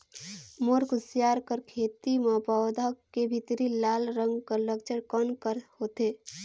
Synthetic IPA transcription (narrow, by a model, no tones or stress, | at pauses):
moɾkʊsjaːɾkəɾkʰeːt̪imãpəʋd̪ʱakebʱit̪ɾilaːlɾə̃ŋɡkəɾlək̚d͡ʒəɽkənkəɾhoːt̪eː